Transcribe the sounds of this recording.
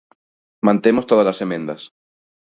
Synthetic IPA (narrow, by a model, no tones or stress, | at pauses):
mãnt̪emost̪oð̞azlasemẽnd̪as